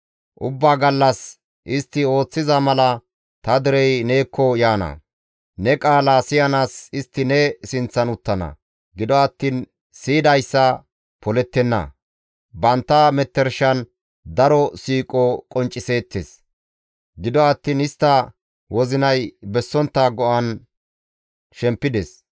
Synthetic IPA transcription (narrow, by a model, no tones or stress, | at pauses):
ʔʊbːaːɡɐlːɐs | ʔɪst̪ːɪo̞ːt͡sːɪzɐmɐlɐ | t̪ɐd̪ɛɾɛjne̞ːkʰːɔjaːnɐ̰ | nɛkʼaːlasɪjɐnaːsɪst̪ːɪnɛsɪnt͡sːɐnʊt̪ːɐnɐ̰ | ɡɪd̪ɔɐt̪ːiːn | siːd̪ɐjsːɐ | pɔlɛt̪ːɛnːɐ̰ | bɐnt̪ːɐmɛt̪ːɛɾʃɐn | d̪ɐɾɔsiːkʼɔkʼɔnt͡ʃʼːɪse̞ːt̪ːes | ɡɪd̪ɔɐt̪ːiːnɪst̪ːɐ | wɔzɪnɐjbɛsːɔnt̪ːɐɡɔʔɐn | ʃɛmpːɪd̪ɛs